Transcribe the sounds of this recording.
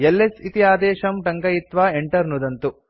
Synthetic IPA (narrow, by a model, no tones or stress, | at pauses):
elːesit̪ijaːd̪ɛːʃɐmʈɐŋkɐjit̪ʋaːeɳʈɐɾnud̪ɐnt̪u